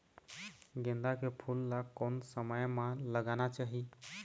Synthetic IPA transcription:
ɡẽnd̪akepʰulːakːonsəməjmãləɡanat͡ʃaɦi

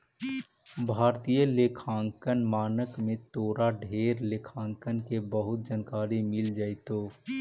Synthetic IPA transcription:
bʱaːɾt̪ijəleːkʰãːŋkənmaːnəkmẽt̪oːɾaɖʱeːɾleːkʰãːŋkənkebəɦʊt̪̚d͡ʒənkaːɾimɪld͡ʒaːɪt̪oː

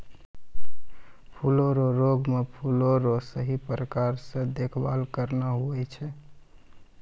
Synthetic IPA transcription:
pʰuloɾoɾoɡmepʰuloɾosəɦipɾəkaɾsə̃d̪ekʰba̰lkəɾnaɦuɛt͡ʃʰɛ

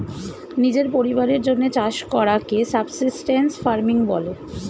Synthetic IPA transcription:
nid͡ʑeɾpoɾibaɾeɾd͡ʑonːet͡ɕaʃkɔɾakesabsisʈensfaɾmiŋbɔ̰lo

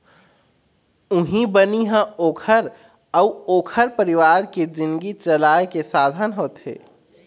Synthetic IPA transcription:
ʊɦĩbəniɦə̃oːkʰəɾ | əʊoːkʰəɾpəɾɪʋaːɾked͡ʒɪ̃nɡit͡ʃəlaːekesaːd̪ʱənɦoːt̪ɦḛː

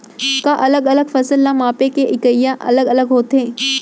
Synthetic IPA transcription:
kaʔɐləɡɐləɡfɐsəlːamaːpekeʔɪkəjːaʔɐ̰ləɡɐləɡɦoːt̪ẽː

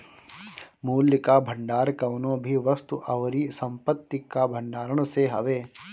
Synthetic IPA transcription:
muːljkabʱə̃ɳɖaːɾkɐʋnõːbʱiʋɐst̪uʔɐʋɾisɐ̃mpət̪ːikabʱə̃ɳɖaːɾəɳ̃seɦɐʋeː

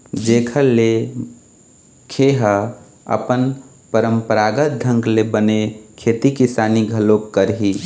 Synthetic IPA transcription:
d͡ʒekʰəle | kʰeɦə | ə̰pən | pəɾəmpəɾaɡət̪̚d̪ʱə̃ŋɡlebənekʰet̪ikisaniɡʱəlokkəɾɦi

